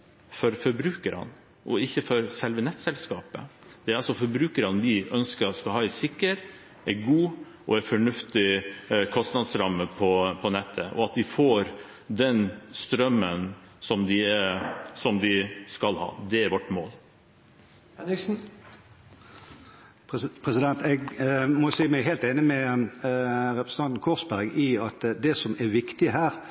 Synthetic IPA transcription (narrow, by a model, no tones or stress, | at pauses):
fɔɾfɔɾbɾʉːkəɾɑ̰n | ʔɔ̰ɪçːəfɔɾsɛlʋənɛt̪ːsɛlskɑːpə̰d̪̥ɛɾɑlsɔfɔɾbɾʉːkəɾɑnʋɪʔœnskəɾskɑhɑːɛsɪkːəɾ | ʔæɡuː | ʔɔæɾfɔɳʉft̪ɪkʰɔst̪nɑd̪sɾɑmːəpʰɔpʰɔnɛt̪ʰːəʔɔ̰ɑt̪̚d̪ɪfoːɾ | d̪ɛnst̪ɾœmːənsɔmd̪ɪ | sɔmd̪ɪskɑlhɑ̰ːd̪ɛæɾʋɔʈːmoːl | ɛɪksn̩ | pʰɾɛsɪd̪ɛnt̪ɛɡmɔsiːmæɪɦeːlt̪eːnəmɛ | ɾɛpɾəsəɑnt̪n̩kʰɔːʁsbæɾɡɪɑt̪d̪ɛsɔmæɾʋɪkt̪ɪəɦæːɾ